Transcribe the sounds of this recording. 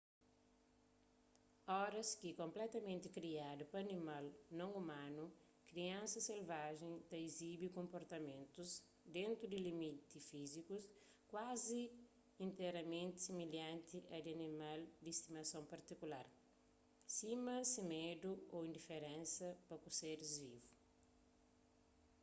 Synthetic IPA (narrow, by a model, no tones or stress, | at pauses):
ɔɾɐskikõmplɛt̪ɐmẽnt̪ikɾiad̪upɐnimalnõŋumãnu | kɾiɐ̃nsɐselvaʒẽt̪ɐizibikõmpoɾt̪ɐmẽnt̪uz | d̪ẽnt̪ɾud̪ilimit̪ifizikus | kwazĩː | nt̪ɛɾɐmẽnt̪ɪ̥similjãnt̪iʔɐd̪iɐnimald̪iist̪imɐsõmpɐɾt̪ikulaɾ | simɐsimed̪uoĩnd̪ifeɾẽnsɐpɐkuseɾizvivu